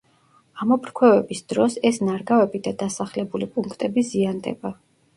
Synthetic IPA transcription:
amɔpʰɾkʰwɛvɛbisd̪ɾɔsɛsnaɾɡavɛbid̪ad̪asaχlɛbulipʼuŋkʰt̪ʼɛbiziand̪ɛ̰ba

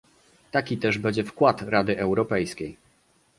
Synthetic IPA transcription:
t̪akʲit̪ɛʐbɛɲd͡ʑɛfkwat̪ɾad̪ɘʔɛwɾɔpɛjskʲej

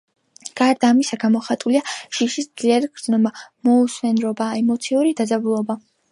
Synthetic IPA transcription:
ɡ̥aɾd̪aːmisaɡamɔχat̪ʼuliaʃiʃisd̪z̥liaɾiɡɾd̪znɔmamɔusmɛnɾɔbaɛmɔt̪sʰiuɾid̪adzabulˠɔba

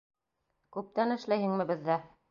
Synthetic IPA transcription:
kʉp̚t̪ænɘ̆ʃlæjhɘŋmɘ̆bɘ̆ðːæ

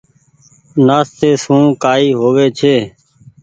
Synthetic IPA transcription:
naːst̪eːsũːkaːiːɦoːʋeːt͡ʃʰeː

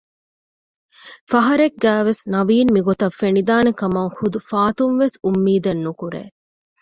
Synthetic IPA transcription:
fɐɦɐɾeɡːæːʋesnɐʋiːnmiɡot̪ɐfenid̪aːnekɐmɐŋxud̪ufaːt̪unʋesumːiːd̪ɐnːukuɾḛː

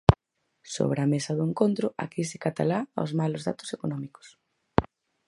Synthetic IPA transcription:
so̰β̞ɾeɐmesɐðʊeŋkont̪ɾʊa̰kisɪkat̪a̰laa̰zmalʊzða̰t̪ʊ̥sekonɔmiko̥s

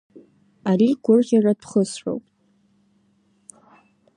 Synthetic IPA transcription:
aɾiɡʷʊrʁʲaradʰχəsħʷo̰wpʼ

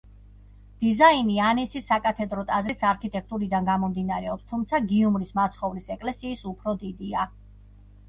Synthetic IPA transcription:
d̪̥izainianɛsisakʼat̪ʰɛd̪ɾɔt̪ʼazɾisaɾkʰit̪ʼɛk̚ʰt̪ʼuɾid̪anɡamɔmd̪inaɾɛɔpst̪ʰumt̪sʰaɡiumɾismat̪sʰχɔvɾisɛkʼlɛsiːsupʰɾɔd̪id̪ia

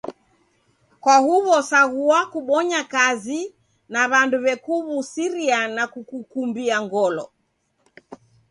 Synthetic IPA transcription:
kwahuβɔsaɣuakuɓɔɲakazi | naβanduβɛkuβusiɾianakukukumbiaŋɡɔlɔ

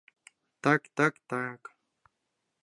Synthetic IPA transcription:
t̪akt̪akt̪ak

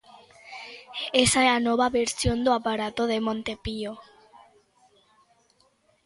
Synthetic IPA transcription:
esaɛanɔβaβeɾsjond̪oapaɾat̪oðemõnt̪epio

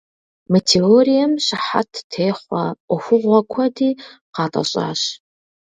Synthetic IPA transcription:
metʰeoːɾijɐmɕɪħa̰tʰtʰeːχʷɐʔʷɔxʷʊʁʷɔkʷʰɐdiːqɑːtʼɐ̰ɕʼa̰ːɕ

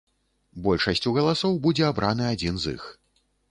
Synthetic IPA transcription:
bɔlʲʂɐsʲt͡sʲuɣɐlˠasɔwbud͡zʲɛabɾʔanɨad͡zʲinzḭx

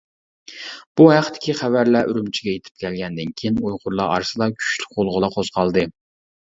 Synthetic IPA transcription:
b̥uɦæqt̪ʰɪ̥kʲʰiχævæɾlæʔyɾymt͡ʃʰiɡʲɛjet̪ʰɪ̥p̚kʲʰɛlɡʲɛnd̪ɪnkʲʰijinujʁʊɾlˠɑɑ̰ɾsɨd̪ɑkʲʰy̥t͡ʃly̥k̚ʲbolˠʁəlˠɑqʰoz̥qʰɑlˠd̪ɨ

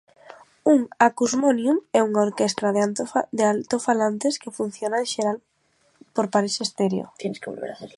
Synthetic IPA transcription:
uŋakuzmonjumɛuŋaoɾkɛst̪ɾaðad̪ealt̪ofalant̪eskefun̟θjonaẽʃeɾal | poɾpaɾisest̪eɾjo̰t̪ɛnskeβo̰lβḛɾaθeɾ

